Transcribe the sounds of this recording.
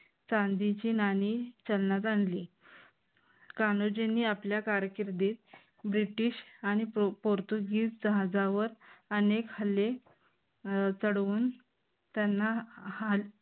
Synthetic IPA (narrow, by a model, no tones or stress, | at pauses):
t͡sand̪it͡ɕiːnaniːt͡ɕəlnat̪̬anliː | kanod͡ʑenːiːapljakaɾkiɾd̪iːt̪̚ | bɾiʈiːɕaɽ̃ipoɾt̪uɡiːsd͡zəɦad͡zaʋəɾənekhəlːe | t͡səɽʋuːn | t̪janːaal